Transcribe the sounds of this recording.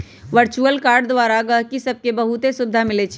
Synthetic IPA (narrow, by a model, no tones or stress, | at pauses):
ʋəɾt͡ʃuəlkaːɾɖd̪ʋaɾaɡəɦkisəb̚ʱkebəɦut̪esʊb̚d̪ʱamɪlet͡ʃʰ